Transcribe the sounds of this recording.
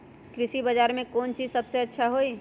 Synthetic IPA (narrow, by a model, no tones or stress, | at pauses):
kɾɪsibəd͡ʒaːɾmẽkoːnt͡ʃiːzsəbseɐtːʃʰaɦoːi